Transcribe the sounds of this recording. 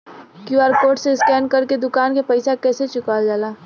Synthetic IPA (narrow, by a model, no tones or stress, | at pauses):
kjuaːɾkoːɾʈseskɛːnkɐɾked̪ʊkaːnkepɐɪsakɛːset͡ʃʊkaːld͡ʒaːlaː